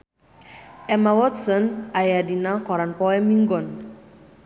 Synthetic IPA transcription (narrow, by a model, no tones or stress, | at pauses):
ɛmawɔtsɔnajadinaŋkɔɾanpɔɛmiŋɡɔn